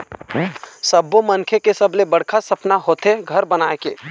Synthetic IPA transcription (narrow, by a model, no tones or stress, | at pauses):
sɐbːomɐnkʰekesɐblebɐɽ̤kʰasɐpnaɦoːt̪eɡʱɐɾbɐnaːekḛː